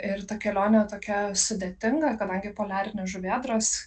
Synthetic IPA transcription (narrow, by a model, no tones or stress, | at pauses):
ɪɾt̪ɐkʲɛlʲoːnʲɛt̪oːkʲɛsʊd̪ʲeːt̪ʲɪŋɡɐkɐd̪ɐŋʲɡʲɪpoːlʲæːɾʲɪnʲɪsʒʊʋʲiɛd̪ɾos